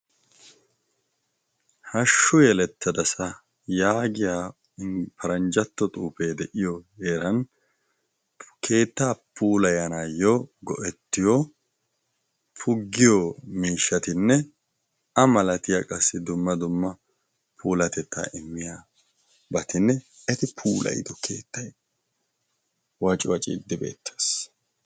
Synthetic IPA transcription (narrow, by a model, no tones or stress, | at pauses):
hɐʃːʊjɛlɛt̪ːɐd̪ɐsɐ | jaːɡɪjaː | pɐɾɐnd͡ʒɐt̪ːɔt̪ʼuːpeːd̪ɛʔɪjɔjeːɾɐn | kʰe̞ːt̪ːaːpʰuːlɐjɐnaːjoɡɔʔɛt̪ːɪjɔ | pʰʊɡːɪjomiːʃːɐt̪ɪnːɛ | ɐmɐlɐt̪ɪjaːkʼɐsːɪd̪ʊmːɐd̪ʊmːɐ | pʰuːlɐt̪ɛt̪ːa̰ːʔɪmːɪjaː | bɐt̪ɪnːɛ | ɛt̪ɪpʰuːlɐ̰jɪ̰d̪ɔkʰe̞̰ːt̪ːɐj | wɐt͡ʃʼɪwɐt͡ʃʼɪ̰d̪ːɪbḛːt̪ʰːe̥ːs